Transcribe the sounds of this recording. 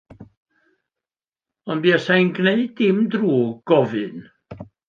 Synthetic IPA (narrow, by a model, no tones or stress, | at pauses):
ɔnbiasajnɡneɨd̥ɪmdruːɡ̥ɔvɨn